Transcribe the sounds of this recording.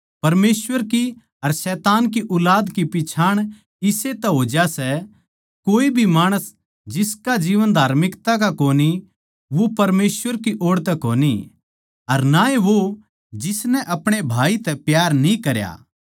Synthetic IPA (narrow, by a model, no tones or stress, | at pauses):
pɐɾmeːsʋəɾki | ɐɾsɛːt̪aːnkiʔʊlaːd̪kipɪt͡ʃʰaːɽ̃ | ɪset̪ɛɦoːd͡ʒasɛ | koːibʱimaːɽ̃əs | d͡ʒɪskad͡ʒiːʋənd̪ʱaːɾmɪkt̪ak̬akoːni | ʋopɐɾmeːsʋəɾkiʔoːɽt̪ɛkoːni | ɐɾnaeʋo | d͡ʒɪsnɛʔɐpɽ̃ebʱaːit̪ɛpjaːɾnĩkɐɾja̰